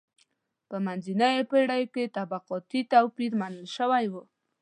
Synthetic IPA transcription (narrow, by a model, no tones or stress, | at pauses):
pəmanzinaepəɽajket̪abaqɔt̪it̪awpiɾmanəlʃəwajbo